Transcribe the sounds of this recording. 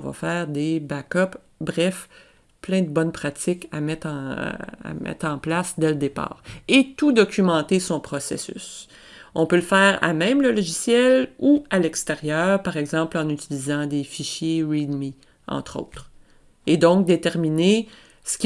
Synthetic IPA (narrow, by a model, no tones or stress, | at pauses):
va̰fɛːʁd̪ebakɔp | bʁɛf | plɛ̃d̪əbɔnpχat̪ɪka̰mɛt̪ɑ̃a̰mɛ̰t̪χɑ̃plasd̪ɛləd̪epɑ̰ːʁet̪ud̪ɔkʲymɑ̃t̪esɔ̃pχɔsḛsy̰s | ɔ̃pøləfɛːʁa̰mɛ̃mləlɔʒisjɛlualɛkst̪eʁjœːʁpaʁɛɡzɑ̃plɑ̃nyt͡silizɑ̃d̪efiʃjeʁid̪mi | ɑ̰̃t̪χo̰ːt̪χ | ed̪ɔ̃k̚d̪et̪ɛʁmine | sə̥kʲ